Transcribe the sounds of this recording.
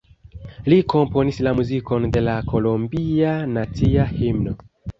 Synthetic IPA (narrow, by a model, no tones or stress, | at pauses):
liko̞mpo̞nislamuziko̞nde̞lako̞lombianat͡siahimno